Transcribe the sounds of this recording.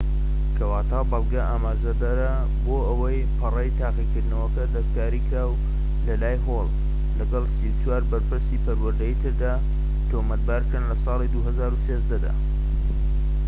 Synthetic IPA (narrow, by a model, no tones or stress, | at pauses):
kʰɐwaːt̪ʰaːbɑlˠɡɐʔaːmaːʒɐd̪ɐɾa | boːʔəwɐjpʰɨrɐjt̪ʰaːqikɨɾd̪nəwɐkɐd̪ɐskaːɾiːkɾaːw | lɐlaːjɦolˠ | lɐɡɐlsiwt͡ʃwaːɾbɐɾpɨɾsipɐɾwɐɾd̪əjit̪ʰɨɾd̪aː | t̪oːmɐt̪̚baːɾkɾɨnlɐsɑːlid̪uɦɐzaːɾuseːzd̪ɐd̪a̰ː